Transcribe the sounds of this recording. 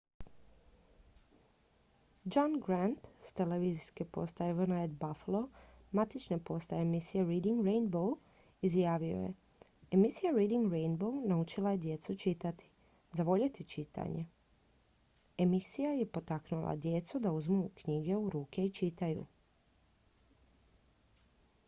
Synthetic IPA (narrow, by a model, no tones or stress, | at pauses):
d͡ʒanɡɾant̪st̪e̞leʋiziskepo̞̰st̪aeʋərnaed̪baflˠo̞mat̪it͡ʃnepo̞st̪aemisijeɾiːd̪iŋɡɾejnbow | izjaːʋijo̰je̞̰ | emisijaɾiːd̪iŋɡɾejnbownaut͡ʃilaje̞d̪je̞t̪sut͡ʃit̪at̪i̥ | zaʋo̞ʎet̪it͡ʃit̪ʰa̰ɲe̞ | emisijaje̞po̞t̪aknulˠa̰d̪je̞t̪sud̪auzmukɲiɡe̞uɾuːke̞it͡ʃit̪ajṵ